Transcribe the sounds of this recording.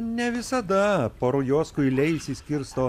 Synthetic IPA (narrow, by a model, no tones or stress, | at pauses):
nʲɛʋʲɪsɐd̪ɐpoːɾʊjoːskʊlʲɛɪsʲiːsʲkʲɪɾst̪oː